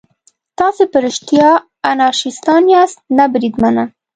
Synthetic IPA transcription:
t̪ɑsepəɾɪʃt̪jɑ | anɑʃist̪ɑnjɑst̪̚nabɾid̪mana

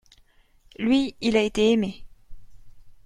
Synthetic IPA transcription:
lɥiilaet̪eːme

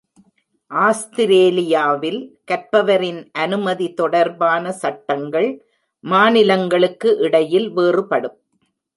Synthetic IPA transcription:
ʔaːst̪ɪɾeːlɪjaːʋɪlkɐɾpɐʋɐɾɪnʔɐnɯmɐðit̪ɔɽɐɾbaːnɐsɐʈːɐŋɡɐɭ | maːnɪlɐŋɡɐɭɯkːɯʔɪɽɐjɪlʋeːrɯpɐɽɯm

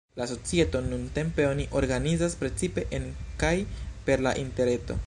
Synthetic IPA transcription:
laso̞t͡sieto̞nunte̞mpe̞o̞niʔo̞ɾɡanizaspɾe̞t͡sipe̞ʔenkajpe̞ɾla̰ʔinte̞ɾe̞to̞̰

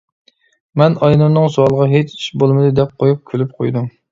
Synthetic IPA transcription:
mɛnɑjnunːɨŋsuɑlˠʁɑɦet͡ʃi̥ʃbolˠmɨd̪ɨd̪ɛp̚qʰojup̚kʲʰylyp̚qʰojd̪um

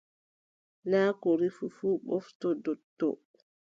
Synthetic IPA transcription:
naːkɔɾifufuːɓɔftɔdɔtːɔ̰

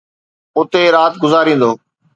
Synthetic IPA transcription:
ʊt̪eɾaːt̪̚ɡʊzaːɾĩːn̆d̪oː

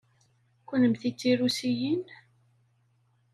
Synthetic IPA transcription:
kʷʊnəmθit͡sːiɾusijin

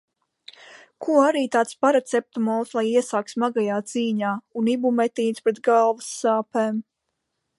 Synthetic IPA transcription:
kʰuaɾiːt̪aːt̪spaɾat̪sɛp̚t̪umɔlslˠajiɛsaːk̪smaɡajaːt̪ziːɲaːunibumɛt̪iːnspɾɛt̪ɡalˠvusːaːpɛːm

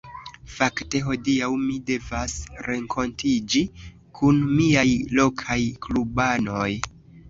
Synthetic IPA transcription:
fakte̞ɦo̞diawmide̞vasɾe̞ŋkʰontʰid͡ʒi | kʰunmiajlo̞kʰajklubano̞j

